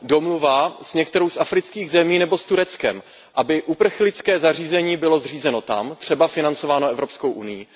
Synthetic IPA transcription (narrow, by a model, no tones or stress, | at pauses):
do̞mluvaz̥ɲɛk̚t̪ɛɾowsʔafɾɪt͡skiːɣzɛmiːnɛbost̪uɾɛt͡skɛ̰m | ʔabɪʔupr̩xlɪt͡skɛːzariːzɛɲiːbɪlo̞zriːzɛno̞t̪a̰mt̪r̥ɛbafɪnant͡so̞vaːnoɛvɾo̞psko̞wʔunɪji